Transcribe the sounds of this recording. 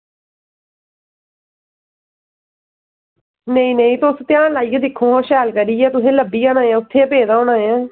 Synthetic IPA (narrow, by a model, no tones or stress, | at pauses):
nəĩːnəĩːt̪ost̪ɪjaːnlaːiɡɛːd̪ɪkʰːõːɦãːʃɛːlkəɾiːɛːt̪ʊsẽːləbːiːaːnãːjɛ̃ːʊt̪ʰːeːəpeːd̪aːoːnãːjɛ̃ː